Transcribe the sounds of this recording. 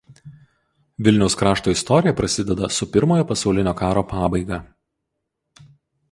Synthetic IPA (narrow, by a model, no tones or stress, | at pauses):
ʋʲɪlʲnʲɛʊskɾɑːʃt̪oːɪst̪ɔɾʲɪjɛpɾɐsʲɪd̪ʲɛd̪ɐsʊpʲɪɾmoːjoːpɐsɐʊlʲɪnʲoːkɑːɾoːpɑːbɐɪɡɐ